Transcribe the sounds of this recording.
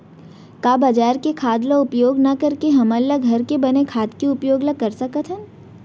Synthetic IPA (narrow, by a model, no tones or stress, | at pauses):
kaːbɐd͡ʒaːɾkekʰaːd̪loʊpjoːɡnɐkɐɾkeɦɐmɐlːaɡʱɐɾkebɐnekʰaːd̪kiʊpjoːɡlakɐɾsɐkət̪ʰɦɛn